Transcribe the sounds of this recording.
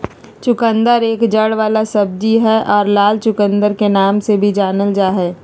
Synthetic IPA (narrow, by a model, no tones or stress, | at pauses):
t͡ʃʊkə̃nd̪əɾeːkd͡ʒəɽʋaːlasɐb̚d͡ʒiɦɛʔɔːɾlaːlt͡ʃʊkə̃nd̪əɾkenaːmsebʱid͡ʒaːnəld͡ʒaːɦɛː